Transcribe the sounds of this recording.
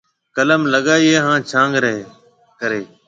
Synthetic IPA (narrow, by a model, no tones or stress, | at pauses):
kələmləɠaːiːeːɦãːt͡ʃʰãːŋɡɾəeː | kəɾeː